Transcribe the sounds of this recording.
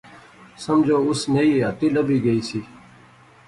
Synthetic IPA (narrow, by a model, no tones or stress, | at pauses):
səmd͡ʒoːʊsneiːət̪iːləbiːɡəiːsiː